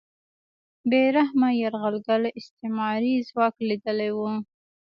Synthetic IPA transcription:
beɾahmajaɾɣalɡalɪst̪emɑɾizwɑklid̪əlajwu

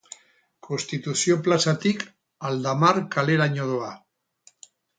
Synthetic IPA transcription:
kʰo̞nst̪it̪usio̞plasat̪ik | ald̪amaɾkale̞ɾaɲoðoa

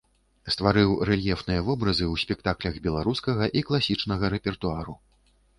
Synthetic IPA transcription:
st̪vaɾɨwrɛlʲjɛfnɨjɐvɔbɾɐzɨuwsʲpʲɛk̚t̪aklʲɐɣbʲɛlˠaɾuskɐɣɐʔiklˠasʲit͡ʂnɐɣɐɾɛpʲɛrt̪uaɾu

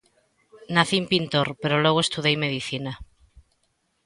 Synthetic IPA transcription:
naθimpint̪oɾpe̞ɾolwoɣ̞oe̞st̪uðejme̞ðiθina

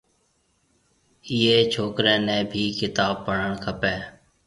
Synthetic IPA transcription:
ɪːeːt͡ʃʰoːkɾẽːnẽːbʱiːkɪt̪aːb̚pəɳəɳkʰəpɛː

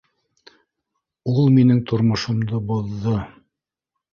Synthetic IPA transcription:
ulˠminɘŋt̪ʰŏɾmŏʃŏmd̪oboðːɤ

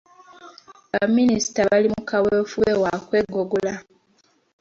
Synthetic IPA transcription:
βamːinisi̥taβalimukawefuwewakwe̞ɡoɡula

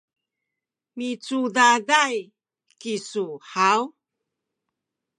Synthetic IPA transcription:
mit͡suðaðaj | kisuħaw

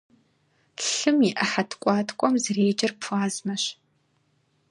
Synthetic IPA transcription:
ɬɨmiʔɐħatʰkʷʼɑːtʰkʷʼɔmzreːd͡ʒɐrpʰʷaːzmɐɕ

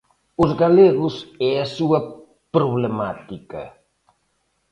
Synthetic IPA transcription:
uzɣaleɣusɛɐsuɐ | pɾuβlemat̪ikɐ̰

